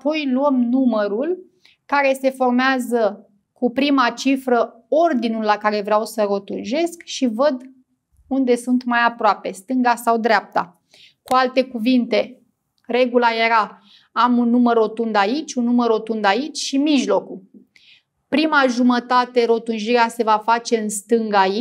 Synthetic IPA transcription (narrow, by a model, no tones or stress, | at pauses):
apo̞jluəmnuməɾul | kaɾe̞se̞fo̞rmeazə | kupɾimat͡ʃifɾə | o̞rd̪inulːakaɾe̞vɾeawsəɾo̞t̪unʒe̞skʃivəd̪ | und̪e̞sunt̪majapɾoape̞st̪ɨŋɡasawd̪ɾeap̚t̪a̰ | kualt̪e̞kuvint̪e̞ | re̞ɡulaje̞ɾa | amunːuməro̞t̪und̪ait͡ʃʲunːuməro̞t̪und̪ait͡ʃʲʃimiʒlo̞ku | pɾimaʒumət̪at̪e̞ɾo̞t̪unʒiɾease̞vafat͡ʃe̞ɨnst̪ɨŋɡai